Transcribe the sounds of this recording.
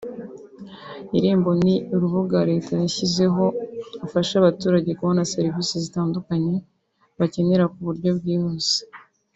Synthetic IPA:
iɾiːmbo̞niuɾuβuɡaɾe̞ːtʰajaçize̞ɦo̞afaʃaβatuːɾaɟe̞kuβonase̞ɾivisezitaːndukaɲe̞ | βace̞ne̞ɾakuβuɾɟo̞bɡiːhoze̥

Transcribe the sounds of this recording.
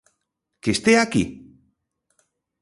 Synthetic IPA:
kest̪eaki

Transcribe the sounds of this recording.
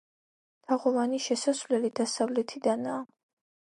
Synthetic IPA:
t̪ʰaʁɔvaniʃɛsasvlɛlid̪̥asavlɛt̪ʰid̪anaː

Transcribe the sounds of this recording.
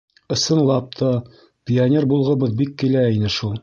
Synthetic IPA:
ɤ̆sɤ̆nlˠɑp̚t̪ʰɑ | pʲijanʲerbulˠʁɤ̆bɤðbikːilæinɘʃulˠ

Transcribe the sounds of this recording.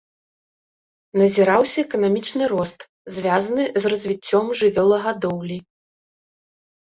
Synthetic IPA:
nɐzʲiɾawsʲɐɛkɐnamʲit͡ʂnɨɾɔst̪ | zʲvʲazɐnɨzrɐzʲvʲit͡sʲːɔmʐɨvʲɔlˠɐɣad̪ɔwlʲi

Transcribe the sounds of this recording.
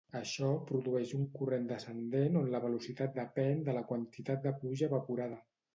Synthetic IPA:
əʃɔpɾuðuɛʃuŋkurend̪əsənd̪enonləβəlusit̪at̪̚d̪əpɛnd̪ələkwənt̪it̪at̪̚d̪əpluʒəβəpuɾaðə

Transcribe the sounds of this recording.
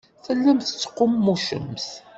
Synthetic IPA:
θəlːæmθə̥t͡sːə̥qːʊmːuʃə̰mθ

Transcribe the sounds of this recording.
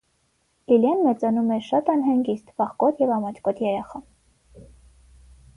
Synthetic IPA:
liljɑnmɛt͡sɑnumɛɾʃɑt̪ɑnɦɑŋɡist̪vɑχkɔt̪ʰjɛvɑmɑt͡ʃ̪ʰkɔt̪ʰjɛɾɛχɑ

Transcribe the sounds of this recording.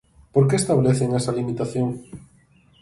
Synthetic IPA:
poɾkeest̪aβleθeŋɛsɐlimit̪aθjoŋ

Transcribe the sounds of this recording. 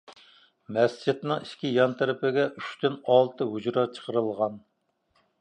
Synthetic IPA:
mɛst͡ʃʰit̪nɨŋiʃkʲijɑnt̪ʰɨɾɪpɪɡʲɛʔyʃt̪ynɑlˠt̪ɨɦud͡ʒɾɑt͡ʃʰə̥qʰəɾɨlˠʁɑn

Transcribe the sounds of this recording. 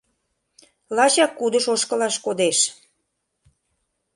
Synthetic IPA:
lɑɕɑkːud̪ə̆ʃoʃkə̆lɑʃkod̪eʃ

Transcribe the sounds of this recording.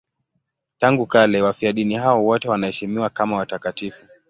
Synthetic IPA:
taŋɡukalɛwafiaɗiniɦaɔwɔtɛwanahɛʃimiwakamawatakatifu

